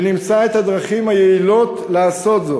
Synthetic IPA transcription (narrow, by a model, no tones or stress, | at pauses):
nimt͡sae̞t̪had̪ʁaχimhajeilo̞t̪laaːso̞t̪zo̞